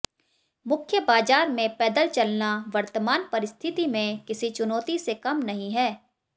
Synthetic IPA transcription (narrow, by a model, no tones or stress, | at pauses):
mʊkʰjəbaːzaːɾmẽpɛːd̪əlt͡ʃɐlnaʋɐɾt̪əmaːnpɐɾɪst̪ʰɪt̪imẽkɪsit͡ʃʊnɔːt̪isekɐmnɐɦĩɦɛː